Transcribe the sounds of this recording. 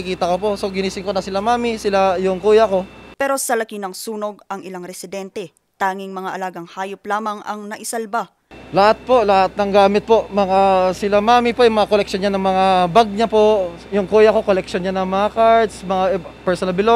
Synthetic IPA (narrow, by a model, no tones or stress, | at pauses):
ɪkiːt̪ɐko̞po̞ʔso̞ɡɪniːsɪŋkonɐsɪlamaːmɪsɪlajʊŋkuːjɐko̞pɛːɾo̞sɐlɐkinɐŋsuːno̞ɡ̚ɐŋʔɪlaŋɾɛsɪd̪ɛnt̪ɛ | t̪aːŋɪŋmɐŋaʔɐlaːɡɐŋhaːjoplaːmɐŋɐ̰ŋnɐʔɪsɐlba | lɐhat̪̚po̞lɐhat̪̚nɐŋɡaːmɪt̪̚po̞ʔmɐŋasɪlamaːmɪpoʔjʊmɐŋakolɛk̚ʃonɲːanɐŋmɐŋabaɡ̚ɲapo̞ʔ | jʊŋkuːjako̞kolɛkʃonɲanɐŋmɐŋakaɹd̪smɐŋapɛɹsonɐlbɪlo